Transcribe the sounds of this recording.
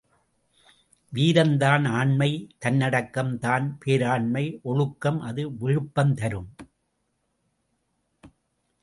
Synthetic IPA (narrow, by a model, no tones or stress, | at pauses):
ʋiːɾɐnd̪aːnaːɳmɐɪt̪ɐnːɐɽɐkːɐmt̪aːnpʰeːɾaːɳmɐɪʔɔɻɯkːɐmʔɐðɯʋɪɻɯpːɐmt̪ɐɾɯm